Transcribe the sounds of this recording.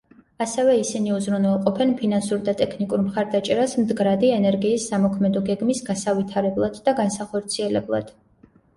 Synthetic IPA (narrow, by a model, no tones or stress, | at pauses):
asɛvɛisiniuzɾunɛlˠqʼɔpʰɛnpʰinansuɾd̪at̪ʼɛkʰnikʼuɾmχaɾd̪at͡ʃʼɛɾasmd̪ɡɾad̪iɛnɛɾɡiːsːamɔkʰmɛd̪ɔɡɛɡmisɡasavit̪ʰaɾɛblˠad̪̥ːaɡansaχɔɾt̪sʰiɛlɛblˠa̰d̪̥